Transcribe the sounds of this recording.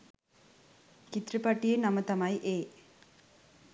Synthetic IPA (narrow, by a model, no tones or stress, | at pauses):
kit̪rəpaʈijenamət̪amajʔeː